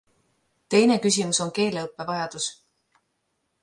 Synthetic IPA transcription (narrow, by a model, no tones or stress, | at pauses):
t̪e̞jne̞kys̬ʲimuso̞nke̞ːleɤpːˑe̞vɑjɑd̪̥us